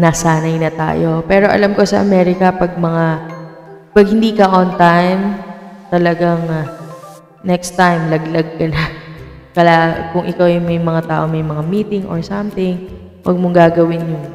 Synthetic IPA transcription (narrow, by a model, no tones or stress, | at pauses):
naːsaːnɐjnɐt̪a̰ːjo̞pɛːɾo̞ʔɐ̰lamko̞sɐ̰ʔɐ̰mɛːɾɪkɐpɐɡ̚mɐŋa | pɐɡ̚hɪnd̪iːkɐʔont̪ajmt̪ɐlɐɡaŋ | nɛkst̪ajmlɐɡlɐɡ̚kɐna | kɐlakʊŋʔɪkawjʊŋmɐjmɐŋat̪aːʔo̞mɐjmɐŋamiːt̪ɪŋʔo̰ɹsɐmt̪ɪŋ | wɐ̰ɡ̚moŋɡaːɡɐwɪnjʊŋ